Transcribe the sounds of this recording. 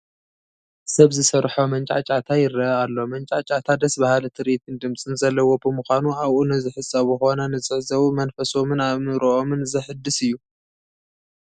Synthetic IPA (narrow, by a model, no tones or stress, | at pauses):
sɐβzɨsɐɾħomɐnt͡ʃʼa̰t͡ʃʼat̪ʰajɪɾɐalːo̞mɐnt͡ʃʼat͡ʃʼat̪ʰad̪ɐsbahalt̪ʰɨɾit̪ʰɨnd̪ɨmt͡sʼɨnzɐlːɐwo̞bɨmuxʷanuaβʔunɨzɨħɨsʼɐβuxonɐnɨt͡sʼɨʕzɐwumɐnfɐso̞mɨnaβɨɾoʔomɨnzɐħɨd̪ːɨsɨjːu